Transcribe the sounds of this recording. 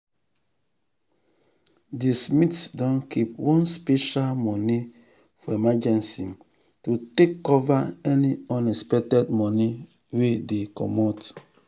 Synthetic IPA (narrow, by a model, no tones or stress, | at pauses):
dismitsdɔ̃nkʰip̚wɔ̃nspeʃalmɔni | fɔemad͡ʒɛ̃nsi | tutekːɔvaɛniɔ̃nɛspɛk̚tɛdmɔni | wedekɔ̰mɔt